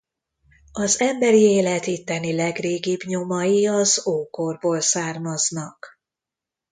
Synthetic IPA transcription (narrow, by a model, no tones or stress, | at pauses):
ɒzɛmbɛɾieːlɛt̪it̪ːɛnilɛɡreːɡibɲo̞mɒjiɒzoːkorboːlsaːrmɒznɒk